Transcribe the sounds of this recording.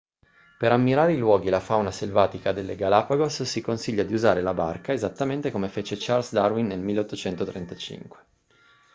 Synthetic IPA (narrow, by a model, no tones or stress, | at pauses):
peɾamːiɾaːɾeilwɔːɡilafawnaselvaːt̪ikad̪elːeɡalapaɡosːikonsiʎːad̪iuzaːɾelaba̰rkaezat̪ːament̪ekomefet͡ʃet͡ʃarlsd̪arwinːelmilːeot̪ːot͡ʃɛnt̪ot̪ɾent̪at͡ʃḭŋkwe̥